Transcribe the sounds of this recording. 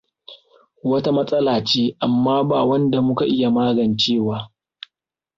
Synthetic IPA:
wɐ˦ta˦mɐ˦sʼɐ˦laː˨t͡ʃeː˦ʔa˨mːaː˦baː˨wɐ˦nda˨mʊ˦ka˨ʔɪ˦ja˨maː˦ɡɐ˨nt͡ʃeː˦˨waː˦

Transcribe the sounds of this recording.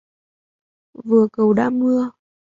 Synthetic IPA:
vɨ˨˩əkə˨˩wɗa̰ː˧˥mɨ˧ə

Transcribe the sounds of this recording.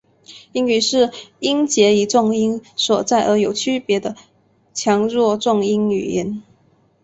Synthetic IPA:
i˥ŋy˨˩ʂɻ̩˥˩i˥nt͡ɕjɛ˧˥i˨˩ʈ͡ʂʊ˥˩ŋi˥nswɔ˨˩t͡sa˥˩ɪʔə˞˧˥jo˨˩ʊt͡ɕʰy˥pjɛ˧˥d̪ə˧ | t͡ɕʰjɑ˧˥ŋɻwɔ˥˧ʈ͡ʂʊ˥˩ŋi˥ny̰˨˩jɛ˧˥n

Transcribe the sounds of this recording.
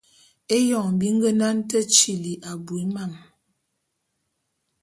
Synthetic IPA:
e˦jɔ˨ŋ˨bi˦ŋ˦ɡə˦na˦n˦tə˦t͡ʃi˨li˨ʔa˨bu˨i˨˦ma˦˨m

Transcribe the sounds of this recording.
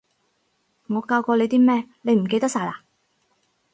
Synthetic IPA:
ŋɔː˨˧kaː˧wkɔː˧le˨˧jt̪iː˥mɛː˥le˨˧jm̩˨˩ke˧t̪ɐ˥k̚saː˧jlaː˨˩

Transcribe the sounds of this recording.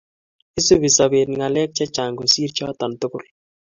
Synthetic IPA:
ɪ˦su˦bi˨sa˨be˨n˨ŋa˨lɛ˦k̚t͡ʃa˦t͡ʃa˨ŋɡo˨si˦ɾt͡ʃa˦t̪a˨ntʊ˦kʊ̰˨l

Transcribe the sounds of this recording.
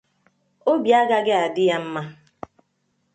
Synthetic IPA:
o˦bi˨a˦ɡa˦ɡɪ˦a˨dɪ˦ja˦m̩˦ma˦

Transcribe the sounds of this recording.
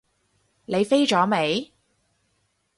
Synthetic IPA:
ne˨˧jfe˥jt͡ʃɔː˨˥me˨˧j

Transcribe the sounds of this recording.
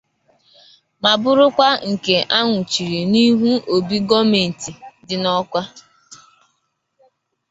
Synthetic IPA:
ma˨bʊ˦ɾʊ˦kʷa˦ŋ̩˨ke˨ʔa˦ŋʷʊ˨t͡ʃi˨ɾi˨ni˦ɦu˦o˨bi˦ɡɔ˦me˨n̩˨ti˨dɪ˦nɔ˦kʷa˦

